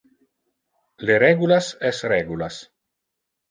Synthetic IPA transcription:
leɾɛɡulasɛsrɛɡulas

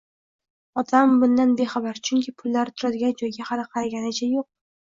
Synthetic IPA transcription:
ɒd̪ambʊnd̪anbe̞χɑbaɾt͡ʃʰʊŋʲkʲʰɪpʰʊlːaɾɪt̪ʰʊɾad̪ɪɡʲand͡ʒɒjɡʲahɑlɪqʰɑɾaɡʲanɪt͡ʃʰajoq̚

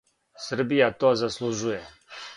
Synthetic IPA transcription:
səɾbijat̪ɔzɐsluʒuje

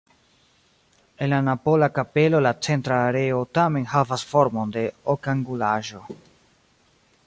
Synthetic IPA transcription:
enlanapo̞lakape̞lo̞lat͡se̞ntɾaːɾe̞otame̞nɦavasfo̞ɾmo̞nde̞okaŋɡulaʒo̞

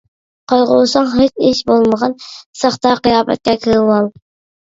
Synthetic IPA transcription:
qʰɑjʁʊsɑŋɦet͡ʃiʃbolˠməʁɑnsɑχt̪ɑqijɑːpɛ̰t̪̚kʲɛkʲʰilwɑlˠ

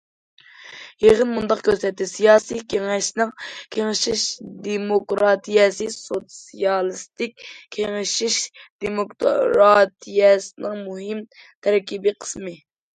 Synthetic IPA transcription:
jeʁənmund̪ɑqkʲøzɛt̪ːɪsijɑːsijkʲʰeŋɛʃnɨŋkʲʰeŋɪʃiʃd̪emokɾɑt̪ʰijɛsɨsot̪sijɑlˠɨst̪ɪkʲkʲʰːeŋɪʃiʃd̪̥emokɾɑt̪ʰijɛsɨnɨŋmuɦɪm | t̪ʰɛɾkʲibɪqʰə̥smɨ

